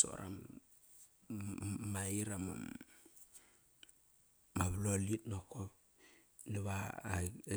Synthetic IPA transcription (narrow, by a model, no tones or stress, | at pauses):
so̰ɾa̰m | maiɾama̰m | maβlolitnokop | niβa